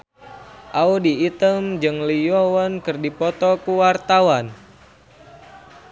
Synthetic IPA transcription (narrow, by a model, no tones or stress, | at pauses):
ʔaudiːt̪əmd͡ʒɨŋlijɔwɔnkɨrdipɔt̪ɔkuwart̪awan